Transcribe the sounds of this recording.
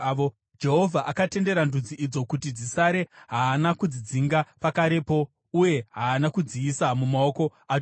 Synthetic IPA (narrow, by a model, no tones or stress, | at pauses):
o | d͡ʒe̞ɦo̞vʱaʔakate̞nde̞ɾandud͡ziid͡zo̞kutid͡zisaɾe̞ɦaːnakud͡zid͡ziŋɡapakaɾe̞po̞ | uje̞ɦaːnakud͡ziisamumao̞ko̞a